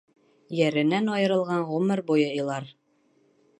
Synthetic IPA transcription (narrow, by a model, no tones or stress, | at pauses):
jæɾɘ̆nænɑjɤ̆ɾɤ̆lˠʁɑɴʁɵmɘɾbujɤilˠɑɾ